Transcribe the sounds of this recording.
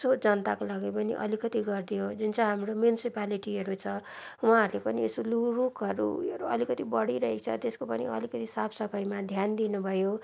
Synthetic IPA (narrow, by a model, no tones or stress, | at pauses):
sod͡zʌnt̪akolaɡipʌnḭʔʌ̰likʌt̪iɡʌrd̪ijod͡zunt͡sʌ̃ɦamɾomjunisipaliʈiɦʌɾut͡sʰʌwaɦaːɾulepʌniesolurukʌɾṵɾuʌlikʌt̪ibʌɽiɾʌɦet͡sʰʌ̰t̪eskopʌnḭʌ̰likʌt̪isapʰsʌpʰʌjmad̪ʱjand̪inubʱʌjo